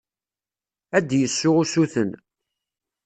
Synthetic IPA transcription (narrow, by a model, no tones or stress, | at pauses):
æd̪jəsːʊʁusuθən